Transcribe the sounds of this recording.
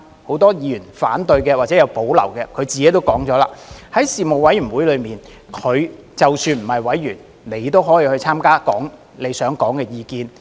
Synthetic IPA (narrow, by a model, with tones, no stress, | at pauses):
ho˨˥wt̪ɔː˥jiː˨˧jyː˨˩nfa̰ː˨˥nt̪ɵ˧ɥkɛː˧waː˨˩t͡sɛː˨˥jɐ˨˧wpo˨˥wlɐ̰˨˩wkɛː˧kʰɵ˨˧ɥt͡siː˨ke˨˥t̪o˥wkɔː˨˥ŋt͡sɔː˨˥laː˧hɐ˨˥jsiː˨mo˨wɐ˨˥jɥy˨˩wuː˨˥jlɵ˨˧ɥmiː˨˩n | kʰɵ˨˧ɥt͡sɐ˨wsyː˧nm̩˨˩hɐ˨˩jwɐ˨˥jɥyː˨˩n | ne˨˧jt̪o˥wɦɔː˨˥jiː˨˧hɵ˧ɥt͡sʰaː˥mkaː˥kɔ̰ː˨˥ŋ | ne˨˧jsœː˨˥ŋkɔː˨˥ŋkɛː˧jiː˧kiː˧n